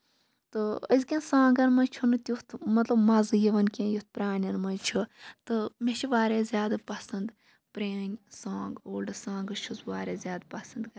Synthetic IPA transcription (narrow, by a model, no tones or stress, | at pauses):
t̪ɨə̰zkʲẽnsãːŋɡɐnmɐnt͡ʃʰunɨt̪ʲjut̪ʰmɐt̪lɐbmɐzɨjiʋɐnkʲẽːjut̪̚pɾaːnʲɐnmɐnt͡ʃʰut̪ɨmʲeʃʰiʋaːɾʲeːzʲjaːd̪ɨpɐsɐnd̪ | pɾeːnʲsãːŋɡoːlɖɨsãːŋɡɐʃʰuzʋaːɾʲeːzʲjaːd̪pɐsɐnd̪ɡɐ